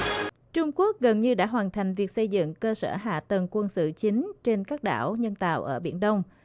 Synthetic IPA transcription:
t͡ɕʊ˧ŋ͡mku˦˥ək̚ɣə˨˩nɲɨ˧ɗa̰ː˧˥ɦwaː˨˩nt̪ʰa˨˩jŋ̟vi˨˩ək̚sə˧jzɨ̰˧˨ŋkəː˧sə̰ː˧˩ɦa̰ː˧˨t̪ə˨˩nkwə˧nsɨ̰˧˨t͡ɕï˨˦ŋ̟t͡ɕe˧nkaː˦˥k̚ɗa̰ː˧˩wɲə˧nt̪a̰ː˧˨wʔəː˧˩ɓḭ˧˩ənɗə˧wŋ͡m

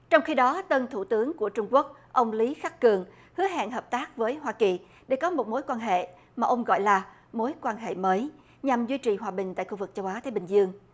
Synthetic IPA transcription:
t͡ɕɔ˧wŋ͡mxi˧ɗɔ˨˦t̪ə˧nt̪ʰu˧˩t̪ɨ˨˦əŋku˧˩ət͡ɕʊ˧ŋ͡mku˦˥ək̚ʔə˧wŋ͡mli˨˦xa˦˥k̚kɨ˨˩əŋ | hɨ˨˦əɦa̰ː˧˨nɦəː˨˩p̚t̪aː˦˥k̚vəː˨˦jɦwaː˧ki˨˩ | ɗe˧˩kɔ˨˦mo˨˩t̚mo˨˦jkwaː˧nɦḛ˧˨ | maː˨˩ʔə˧wŋ͡mɣɔ̰˧˨jlaː˨˩ | mo˨˦jkwaː˧nɦḛ˧˨məː˨˦j | ɲa˨˩mzwi˧t͡ɕi˨˩ɦwaː˨˩ɓï˨˩ŋ̟t̪a̰ː˧˨jxu˧vɨ˨˩k̚t͡ɕə˧wʔaː˨˦t̪aː˧˦ɓï˨˩ŋ̟zɨ˧əŋ

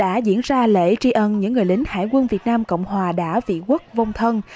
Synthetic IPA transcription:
ɗa̰ː˧˥zḭ˧˥ənzaː˧lḛ˧˥t͡ɕi˧ʔə˧nɲɨ̰˧˥ŋːɨ˨˩əjlï˨˦ŋ̟ha̰ː˧˨jkwə˧nvi˨˩ət̚naː˧mko̰˧˨wŋ͡mhwaː˨˩ɗa̰ː˧˥vḭ˧˨kwə˦˥k̚və˧wŋ͡mt̪ʰə˧n

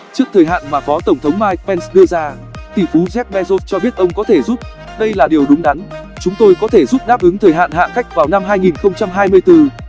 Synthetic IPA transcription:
t͡ɕɨ˦˥ək̚t̪ʰəː˨˩jɦa̰ː˧˨nmaː˨˩fɔ˨˦t̪ə˧˩ŋ͡mt̪ʰə˨˦wŋ͡mmaː˧jk̚pɛ˧nsɗɨ˧əzaː˧ | t̪i˧˩fu˨˦zɛ˦˥p̚ɓɛ˧zo˦˥t̚t͡ɕɔ˧ɓi˦˥ət̚ʔə˧wŋ͡mkɔ˨˦t̪ʰe˧˩zu˦˥p̚ | ɗə˧jlaː˨˩ɗi˨˩əwɗʊ˨˦ŋ͡mɗa˨˦nt͡ɕʊ˨˦ŋ͡mt̪o˧jkɔ˨˦t̪ʰe˧˩zu˦˥p̚ɗaː˦˥p̚ʔɨ˨˦ŋt̪ʰəː˨˩jɦa̰ː˧˨nɦa̰ː˧˨ka˦˥jk̟̚vaː˨˩wna˧mɦaː˧jŋi˨˩nxə˧wŋ͡mt͡ɕa˧mɦaː˧jmɨ˧əjt̪ɨ˧

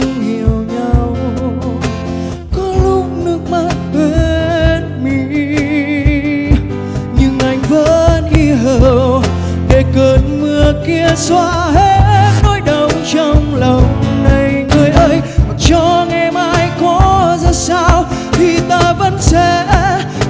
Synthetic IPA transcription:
ɲi˨˩əwɲa˧w | kɔ˧˦lʊ˧˥k͡p̚nɨ˧˦˥ək̚ma˧˥t̚kwe˧˦nmi˨˩ | ɲɨ˧ŋʔa˧˩jŋ̟və˧˦nʔi˧ɦəː˧˨˩w | ɗe˧˩kə˨˩nmɨ˧əki˧əswaː˧˥ɦe˧˦nɔ˨˦jɗə˨˩wŋ͡mt͡ɕɔ˧wŋ͡mlə˨˩wna˨˩jŋɨ˨˩əjʔəː˧˦jt͡ɕɔ˧ŋa˨˩jmaː˧jkɔ˨˦zaː˧saː˧wt̪ʰi˨˩t̪aː˧və˧˥nsɛ˧

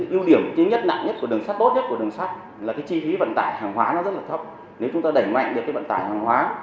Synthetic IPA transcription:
ʔi˧əwɗi˧˩əm˨t͡ɕi˧˦ŋɲə˦˥t̚na̰˧˨ŋɲə˦˥t̚kɨ˨˩əŋsa˦˥t̚t̪o˦˥t̚ɲə˦˥t̚ku˧˩ɗɨ˨˩əŋsa˦˥t̚ | laː˨˩kaː˨˦jt͡ɕi˧fi˨˦və̰˧˨nt̪aː˧˩jhaː˨˩ŋhwaː˨˦nɔ˨˦zə˦˥t̚laː˨˩t̪ʰə˦˥p̚ | ne˨˦wt͡ɕʊ˨˦ŋ͡mt̪aː˧ɗə˧˩jŋma̰˧˨jŋɗɨ˨˩kːaː˨˦və̰˧˨nt̪aː˧˩jhaː˨˩ŋɦwaː˨˦

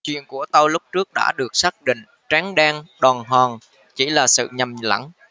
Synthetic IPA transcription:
t͡ɕwḭ˧˨ənku˧˩ət̪ə˧wlʊ˦˥k͡p̚t͡ɕɨ˦˥ək̚ɗa̰ː˧˥ɗɨ˨˩ək̚saː˦˥k̚ɗḭ̈˧˨ŋ̟ | t͡ɕaː˨˦ŋɗɛː˧ŋɗɔː˨˩nɦwaː˨˩ŋ | t͡ɕi˧˩laː˨˩sɨ̰˧˨ɲə˨˩mla̰˧˩ŋ

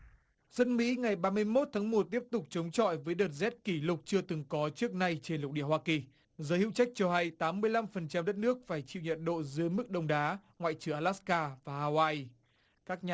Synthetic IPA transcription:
zə˧nmḭ˧˥ŋa˨˩jɓaː˧mɨ˧əjmo˦˥t̚t̪ʰaː˨˦ŋmo˨˩t̚t̪i˦˥əp̚t̪ʊ˨˩k͡p̚t͡ɕə˨˦wŋ͡mt͡ɕɔ̰˧˨jvəː˨˦jɗəː˨˩t̚zɛ˦˥t̚ki˧˩lʊ˨˩k͡p̚t͡ɕɨ˧ət̪ɨ˨˩ŋkɔ˨˦t͡ɕɨ˦˥ək̚na˧jt͡ɕe˧nlʊ˨˩k͡p̚ɗḭ˧˩əhwaː˧ki˨˩ | zəː˨˦hḭ˧˨wt͡ɕa˦˥k̚t͡ɕɔ˧ha˧jt̪aː˨˦mːɨ˧əjla˧mfə˨˩nt͡ɕa˧mɗə˦˥t̚nɨ˦˥ək̚faː˧˩jt͡ɕḭ˧˨wɲə̰˨t̚ɗo̰˧˨zɨ˨˦jmɨ˦˥k̚ɗə˧wŋ͡mɗaː˨˦ŋwa̰ː˧˨jt͡ɕɨ˧˩əŋʔa˧laː˦˥skaː˧vaː˨˩ʔaː˧waː˧j | kaː˦˥k̚ɲa˨

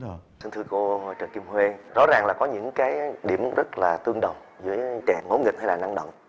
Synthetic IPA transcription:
si˧nt̪ʰɨ˧ko˧˨jt͡ɕəː˨˩ki˧mhwe˧zɔ̰˧˥zaː˨˩ŋlaː˨˩kɔ˨˦ɲɨ̰˧˥ŋkaː˨˦jɗi˧˩əmzə˦˥t̚laː˨˩t̪ɨ˧əŋɗə˨˩wŋ͡m | zɨ̰˧˥əjt͡ɕɛ̰˧˨ŋo̰˧˥˦ŋi˨˩k̚ha˧jlaː˨˩na˧ŋɗə̰˧˨wŋ͡m

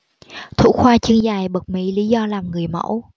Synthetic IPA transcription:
t̪ʰṵ˧˥xwaː˧t͡ɕɨ˧əŋzaː˨˩jɓə˨˩k̚mḭ˧˥li˧˦zɔ˧laː˨˩mŋɨ˨˩əjmə̰˧˥w

